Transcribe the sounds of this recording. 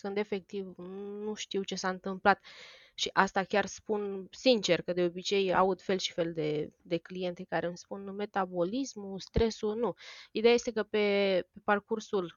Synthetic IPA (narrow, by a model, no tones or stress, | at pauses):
kɨnd̪e̞fe̞k̚t̪ivnuʃt̪iwt͡ʃe̞saɨnt̪ɨmplat̪ | ʃiʔast̪akʲarspunsint͡ʃe̞rkəd̪e̞obit͡ʃe̞ja̰ud̪fe̞lʃi̥fe̞ld̪e̞d̪e̞klije̞nt̪e̞kaɾemspunme̞t̪abo̞lismust̪ɾe̞sunuid̪eajest̪e̞kəpe̞pe̞parkursul